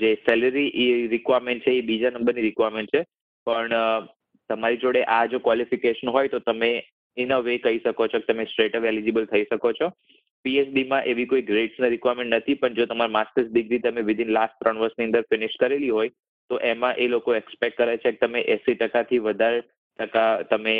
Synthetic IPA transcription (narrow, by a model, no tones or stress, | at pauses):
d͡ʒesɛləɾiʔiɾɪkʋaɾmẽɳʈ̚t͡ʃʰeːbid͡ʒanə̃mbəɾniɾɪkʋaɾmẽɳʈ̚t͡ʃʰe | pəɳ | t̪əmaɾid͡ʒoɽeʔad͡ʒokʋalifikeʃənɦojt̪ot̪əme | ɪnəʋekəiʃəkot͡ʃʰoke̥t̪əmesʈɾeʈəʋelid͡ʒebəlt̪ʰəiʃəkot͡ʃʰo | piesɖimãʔeʋikoiɡɾeɖsnaɾɪkʋaɾmẽɳʈnət̪ʰipəɳd͡ʒot̪əmaɾmaskəɾs̚ɖɪɡɾit̪əmeʋɪd̪ʱɪnlasʈ̚t̪ɾəɳʋəɾsniə̃nd̪əɾfɪnɪʃkəɾeliɦoj | t̪oʔemãʔelokoɛkspɛk̚ʈ̚kːəɾajt͡ʃʰeke̥t̪əmeʔɛsiʈəkat̪ʰiʋəd̪ʱaɾ | ʈəkat̪əme